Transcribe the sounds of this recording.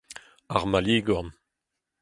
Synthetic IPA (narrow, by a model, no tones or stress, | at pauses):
aʁmaliːɡɔn